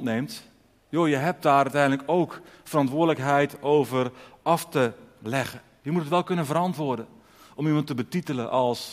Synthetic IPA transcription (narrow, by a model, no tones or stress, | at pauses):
tneːmt | joːjəɦɛp̚daːɾœɥtɛjəndləkoːkfərɑntʋʊːdələkɦɛjtoːvərɑftəlɛɣə | jəmutətʋɛlˠkɵnənvəɾɑntʋʊdə | ʔɔmimɑntəbətitələnʔɑlˠs